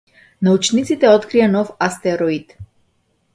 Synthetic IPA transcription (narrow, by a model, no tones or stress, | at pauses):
naut͡ʃnit̪sit̪ɛɔt̪kɾijanɔfast̪ɛɾɔit̪